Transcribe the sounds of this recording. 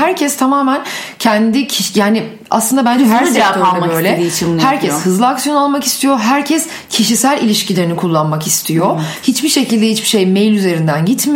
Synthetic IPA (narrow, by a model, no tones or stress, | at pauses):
hæɾcʰɛst̪ʰamaːmæn | cʰɛnd̪icʰiʃjaːnɪ | a̰slˠɯnd̪abænd͡ʒɛæɾsɛaoalmaøjlʲɛit͡ʃʰmhæɾcʰɛshɯzlˠɯaksijoualˠmaki̥st̪ʰijo̞ɦæɾcʰɛs | cʰiʃisælʲilʲiʃcilʲeɾinikʰulˠːanmakist̪ʰijohit͡ʃbiʃe̞cilʲd̪ɛhit͡ʃbi̥ʃe̞jmejlʲyze̞ɾind̪ænɟit̪m